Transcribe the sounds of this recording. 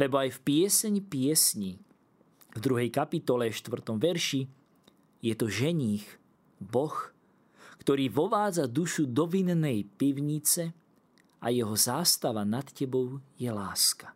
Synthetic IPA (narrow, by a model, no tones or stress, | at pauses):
lɛbɔajfpɪɛsɛɲpɪɛsɲi | vd̪ɾuɦɛjkapit̪ɔlɛʃt̪ʋr̩t̪ɔmʋɛɾʃi | jɛt̪ɔʒɛɲiːx | bɔx | kt̪ɔɾiːʋɔʋaːd͡zad̪uʃud̪ɔʋinnɛjpiʊɲit͡sɛ | ajɛɦɔzaːst̪aʋanat̪cɛbɔʊjɛlaːskḁ